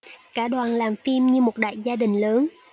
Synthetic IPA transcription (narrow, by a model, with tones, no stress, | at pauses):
kaː˧˩ɗwaː˨˩nlaː˨˩mfi˧mɲɨ˧mo˨˩t̚ɗa̰ː˧˨jzaː˧ɗï˨˩ŋ̟ləː˨˦n